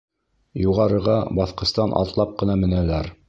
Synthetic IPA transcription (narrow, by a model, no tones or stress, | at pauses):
juʁɑɾɤ̆ʁɑbɑθqɤ̆st̪ɑnʔɑ̰t̪lˠɑp̚qɤ̆nɑmɘ̆nælæɾ